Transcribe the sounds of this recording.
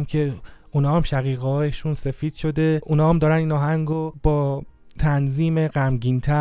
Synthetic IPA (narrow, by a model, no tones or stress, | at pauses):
mcʰe̞ | unɒːhæmʃæɣiːɣɦɒːjeʃunse̞fiːd̪̥ʃo̞d̪e̞ʔunɒːhæmd̪ɒːɾæniːnɒːɦæŋɡob̥ɒː | t̪ʰænziːmeɢæmɟiːnt̪ʰæ